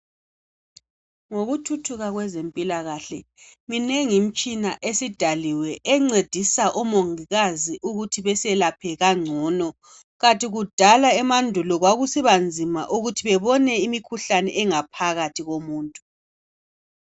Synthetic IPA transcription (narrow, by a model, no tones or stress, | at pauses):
ŋoɣutʰutʰuɣaɣwɛzempʼilaɣaɬɛ | mineŋim̩t͡ʃʼinaʔesid̥ʱaliwɛʔɛŋ͡ǀed̥ʱisaʔɔmoŋiɣaziʔuɣutʰiβɛsɛlapʰɛɣaŋ͡ǀʱɔːnɔ | ɣantʼʰiɣud̥ʱalaɛmandʱulɔɣwaɣusiβand͡zʱima̰ʔuɣutʰiβɛβɔnɛimikʰuɬanɛʔɛŋapʰaɣatʰiɣomuːntʼu